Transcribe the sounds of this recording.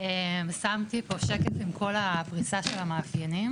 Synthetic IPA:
emsamt̪ipo̞ʃekefimkʰo̞lapʁisaʃelamaːfjanim

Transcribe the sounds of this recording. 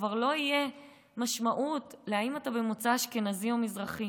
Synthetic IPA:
vaʁlo̞ije̞ | maʃmaʔutleaimatabemot͡saʃke̞nazimo̞mizʁaχi

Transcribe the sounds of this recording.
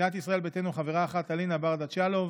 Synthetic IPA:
at̪isʁae̞lbetenuχaveʁaːχat̪alinabaʁd̪at͡ʃalov

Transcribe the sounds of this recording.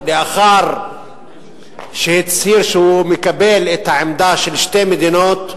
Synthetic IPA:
lɪʔaxaɾˤ | ʃt̪siːɾʃumɪkabeːlʔɪt̪aʕɪmd̪aːʃɪlʃt̪eːmɪd̪inoːt̪

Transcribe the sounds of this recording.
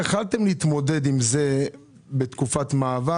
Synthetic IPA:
aχalt̪e̞mliit̪mo̞de̞d̪imze̞ | be̞t̪kufat̪maːva

